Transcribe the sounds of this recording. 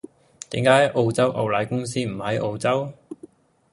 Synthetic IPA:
t̪ḭː˨˥ŋkaː˨˥jʔo˧wt͡sɐ˥wʔɐ˨˧wlaː˨˥jkʊ˥ŋs̬iː˥m̩˨˩hɐ˨˥jʔo˧wt͡sɐ˥w

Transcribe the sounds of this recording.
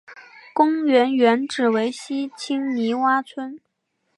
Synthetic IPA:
kʊ˥ŋɥɛ˧˥nɥɛ˧˥nʈ͡ʂɻ̩˨˩we˧˥ɪɕi˥t͡ɕʰi˥ŋni˧˥wa˥t͡sʰwə˥n

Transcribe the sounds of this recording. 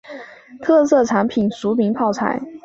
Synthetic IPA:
t̪ʰɤ˥˧sɤ˥˩ʈ͡ʂʰa˧˥npʰi˨˩nsu˧˥pi˧˥ŋpʰɑ˥˩ʊt͡sʰa̰˨˩˦ɪ

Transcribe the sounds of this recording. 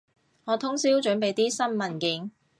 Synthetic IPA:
ŋɔː˨˧˥t̪ʰʊ˥ŋsiː˥wt͡ʃɵ˨˥npe˨jt̪iː˥sɐ˥nmɐ˨nkɪ˨˥ŋ

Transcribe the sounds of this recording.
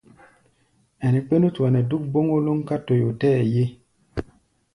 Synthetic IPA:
ɛ˨nɛ˨k͡pe˦nu˦tu˨a˨nɛ˨du˦k̚bo˦ŋo˦lo˦ŋka˦to˨jo˨tɛː˦˨je˦

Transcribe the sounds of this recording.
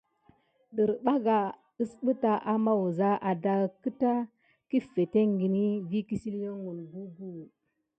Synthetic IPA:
ɗə˨ɾɓa˦ɡa˨ | ə˦sɓə˦ta˨ʔa˦ma˦wu˨za˦ʔa˨da˦kə˦ta˦ | ki˦fe˨te˦ŋɡi˨ni˦ɡi˦ki˦si˦lje˦ŋu˨nbu˦bu˦lu˨

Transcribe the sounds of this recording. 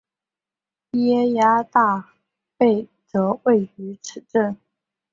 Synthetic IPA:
i˥ɛ˥ja˥t̪a˥˧ | pe˥˩ɪʈ͡ʂɤ˧˥we˥˩ɪy˧˥ʈ͡ʂʰɻ̩˨˩ʈ͡ʂə˥˩n

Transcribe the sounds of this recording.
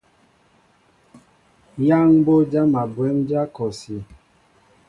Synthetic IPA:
ja˦ŋbo˦d͡ʒa˦ma˨bwɛ˦md͡ʒa˦kɔ˨si˨

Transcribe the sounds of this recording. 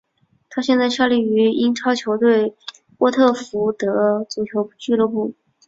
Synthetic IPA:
t̪ʰa˥ɕjɛ˥˧nt͡sa˥˧ɪɕjɑ˥˧ʊli˥˩y˧˥i˥nʈ͡ʂʰɑ˥ʊt͡ɕʰjo˧˥ʊt̪we˥˩ɪ | kwɔ˥˧t̪ʰɤ˥˩fu˧˥t̪ɤ˧˥t͡su˧˥t͡ɕʰjo˧˥ʊt͡ɕy˥˧lɤ˥˧pu˥˩

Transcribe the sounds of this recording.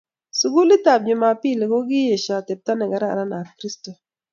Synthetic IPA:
su˨ɡu˦li˦ta˨b̚ɲʊ˨ma˨pɪ˦˨lɡo˦ɡɪ˦je˨ʃa˨te˨p̚t̪a˦nɛ˨ɡa˨˦ɾa̰˨ɾa˦na˨kɾi˦sto˨

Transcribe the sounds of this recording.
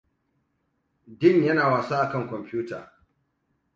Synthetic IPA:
dɪ˦˨ɲjɐ˦naː˨waː˨saː˦ʔa˨kɐ˦˨ŋkʷɔ˨mpuː˦ta̰ː˨

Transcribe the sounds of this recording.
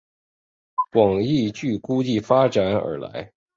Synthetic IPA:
kwɑ˨˩ŋi˥˧t͡ɕy˥˩ku˥t͡ɕi˥˩fa˥ʈ͡ʂa˨˥˦nə̰˞˧˥la̰˧˥ɪ

